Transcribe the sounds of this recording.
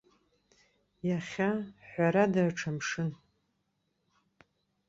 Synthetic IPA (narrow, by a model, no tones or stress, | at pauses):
jaχʲaħʷaɾadaʕʈ͡ʂʰamʂɨn